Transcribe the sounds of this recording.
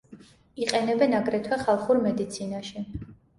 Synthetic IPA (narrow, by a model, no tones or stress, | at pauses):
iqʼɛnɛbɛnaɡɾɛt̪ʰwɛχalˠχuɾmɛd̪it̪sʰinaʃi